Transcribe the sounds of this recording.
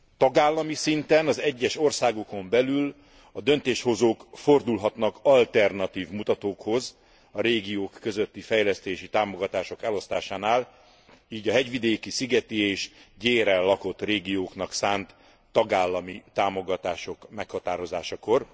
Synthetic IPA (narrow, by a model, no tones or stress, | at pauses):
t̪ɒɡaːlːɒmisint̪ɛnɒzɛɟːɛʃo̞rsaːɡo̞ko̞mbɛlyl | ɒd̪ø̞nt̪eːʃho̞zoːkfo̞rd̪ulɦɒt̪nɒkɒlt̪ɛrnɒt̪iːvmut̪ɒt̪oːkho̞z | ɒɾeːɡijoːkːø̞zø̞t̪ːifɛjlɛst̪eːʃit̪aːmo̞ɡɒt̪aːʃo̞kɛlo̞st̪aːʃaːnaːl | iːɟɒɦɛɟʋid̪eːkisiɡɛt̪ieːʃɟeːɾɛlːɒko̞t̪ːreːɡijoːknɒksaːnt̪ː | ɒɡaːlːɒmit̪aːmo̞ɡɒt̪aːʃo̞kmɛkhɒt̪aːɾo̞zaːʃɒko̞r